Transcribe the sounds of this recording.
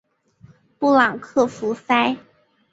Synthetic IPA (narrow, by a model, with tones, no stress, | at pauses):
pu˥˩lɑ˨˩ŋkʰɤ˥˩fu˧˥fa˥ɪ